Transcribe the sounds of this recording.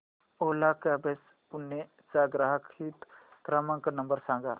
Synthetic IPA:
oːlakabes | punːe | saɡɾaɦɐkʰiːt̪kɾamɐ̃ŋknɐmbəɾsãːŋɡa̰

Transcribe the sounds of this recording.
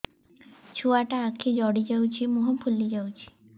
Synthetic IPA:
t͡ʃʰuaʈaakʰid͡ʒɔɽid͡ʒawt͡ʃʰimuɦɔpʰulːid͡ʒawt͡ʃʰi̥

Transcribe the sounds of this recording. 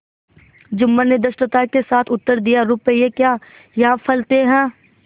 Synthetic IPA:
d͡ʒʊmːaned̪ɐʃʈət̪aːkesaːt̪ʰʊt̪ːəɾd̪ijaɾʊpəiekjaː | jɐɦãpʰɐlt̪eɦɛ̃ː

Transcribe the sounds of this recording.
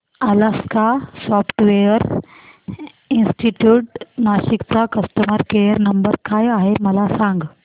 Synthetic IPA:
əlaskasɔfʈʋejəɾ | insʈiʈjuːʈnaɕikt͡sakəsʈəmaɾkejəɾnəmbəɾkajaɦeməlasãŋɡ

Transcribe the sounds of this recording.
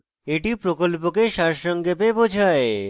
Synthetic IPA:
eʈipɾokolpokeʃaɾʃɔŋɡepebod͡ʑʱae

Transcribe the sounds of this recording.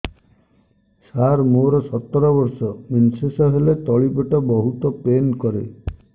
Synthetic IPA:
saɾmoɾɔsɔt̪ːɔɾɔbɔɾsɔminsesɔɦelet̪ɔɭipɔʈɔbɔɦut̪ɔpenkɔɾe

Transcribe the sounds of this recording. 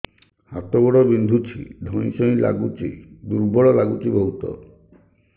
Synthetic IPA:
hat̪ɔbɔɽɔbind̪ʱut͡ʃʰḭd̪ʱɔ̃ĩsɔ̃ĩla̰ɡut͡ʃḭd̪uɾbɔɭɔlaɡut͡ʃibɔɦut̪ɔ̰

